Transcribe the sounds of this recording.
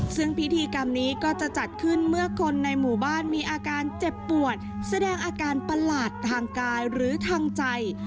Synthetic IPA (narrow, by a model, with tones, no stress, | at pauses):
sɯ˥˩ŋpi˦˥t̪ʰiː˧ka˧mniː˦˥kɔː˥˩t͡ɕa˨˩t͡ɕa˨˩t̪̚kʰɯ˥˩nmɯ˥˩ɐkʰo˧nːa˧jmuː˨˩baː˥˩nmiː˧ʔaː˧kaː˧nt͡ɕe˨˩pːu˨˩ət̪̚sa˧dɛː˧ŋʔaː˧kaː˧npa˧laː˨˩t̪ʰːaː˧ŋkaː˧jɾɯː˩˦t̪ʰaː˧ŋt͡ɕa˧j